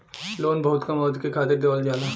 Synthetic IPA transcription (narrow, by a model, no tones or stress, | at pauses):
loːnbɐɦʊt̪kɐmɔːd̪kekʰaːt̪ek̚d̪ɐʋəld͡ʒaːna